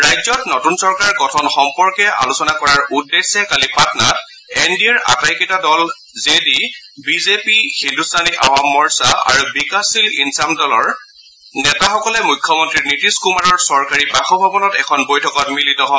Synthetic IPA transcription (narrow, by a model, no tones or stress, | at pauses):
ɹajzɔtnotunsɔɹkaɹɡɔtʰɔnxɔmpɔɹkɛʔa̰lusɔnakɔɹaɹudːesɛkalipatna̰t | ɛndiɛɹʔa̰tajkitadɔl | zedibizepixindustʰaniʔaɦɔmːɔɹsaʔa̰ɹubikasilinsamdɔlɔɹ | nɛtaxɔkɔlɛmujkʰːjɔmɔntɹiɹnitiskumaɹɔɹsɔɹkaɹibaxɔbʱabɔnɔtɛkʰɔnbojtʰɔkɔtmilitɔɦɔ